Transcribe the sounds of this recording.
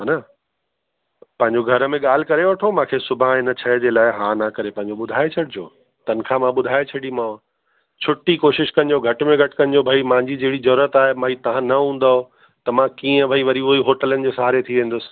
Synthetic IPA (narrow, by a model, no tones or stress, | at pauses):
ɦaːna | pɐ̃ɦɪ̃ɲ̆d͡ʑoɡʱɐɾəmẽɠaːl̤ɪ̆kɐɾeʋɐʈʰomãːkʰesʊbʱãɦɪnət͡ɕʰɐd͡ʑeːlaːɪɦãːnakɐɾepɐ̃ɦɪ̃ɲd͡ʑoɓʊd̪ʱaːet͡ɕʰɐɽɪd͡ʑo̰ː | t̪ɐnkʰãmãɓʊd̪ʱaːet͡ɕʰɐɽimã | t͡ɕʰʊʈikoːʃɪʃkɐ̃n̆d͡ʑoɡʱɐʈmẽɡʱɐʈɪ̥̆kɐ̃nɪ̆d͡ʑobʱaimãːɪ̃ɲd͡ʑid͡ʑɐɦɪɽizɐɾuːɾət̪aːɦemãːɦit̪ɐʋ̤ãnɐɦũːn̆d̪aːɦo | t̪ɐmãkiːə̃ʋɐiʋɐɾiuɦiɦoːʈələnɪ̆d͡ʑoːsɦaːɾet̪ʰiʋẽːn̆d̪ʊsɪ̥̆